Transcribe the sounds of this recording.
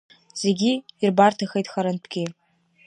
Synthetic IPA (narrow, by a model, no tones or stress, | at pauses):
z̥e̞ɡʲiːrbartʰaxejtʼxaɾɨnpʰɡʲɪ